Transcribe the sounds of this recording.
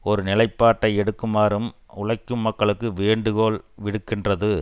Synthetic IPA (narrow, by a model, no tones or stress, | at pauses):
ɔɾɯnɪlɐɪpːaːʈːɐɪɛɽɯkːɯmaːɾɯm | ʊɭɐɪkːɯmːɐkːɐɭɯkːɯʋeːɳɖɯɣoːlʋɪɽɯkːɪndrɐðɯ